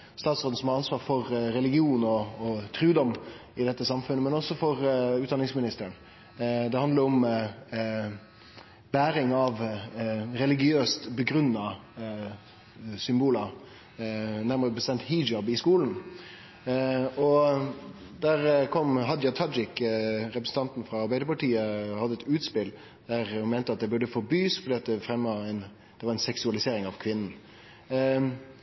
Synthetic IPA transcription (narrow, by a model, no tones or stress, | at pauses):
st̪ɑːt̪soːd̪̩sɔmhɑɾɑnsʋɑːɾfɔɾɾɛlɪɡɪuːnɔːt̪ʰɾʉːd̪ɔmɪd̪ɛt̪ːəsɑmfʉnːəmɛnɔsɔfɔɾʉːt̪̚d̪ɑnɪŋsmɪnɪst̪əɾən | d̪ɛhɑnd̪ləɾɔm | bæːɾɪŋɑʋ | ɾɛlɪɡɪøːst̪bəɡɾʉnːɑ | sʏmbuːləɾ | næɾməɾəbəst̪ɛmt̪hiːd͡ʒɑbɪskuːln̩ | ɔ | d̪æɾkʰɔmɦɑd̪jɑt̪ʰɑd͡ʒɪkɾɛpɾəsn̩t̪ʰɑnt̪n̩fɾɑːɾbæɪd̪əɾpɑʈiːəhɑd̪ːəɛt̪ʉːt̪spɪl | d̪̥æʁhʊnmɛɪnt̪əɑt̪̚d̪ɛbʉɖəfɔɾbyːsfɔɖ̪iːɑt̪ːəfɾɛmːɛn | d̪̥ɛʋɑɾɛnsɛksʉɑlɪseːɾɪŋɑʋkʰʋɪnn̩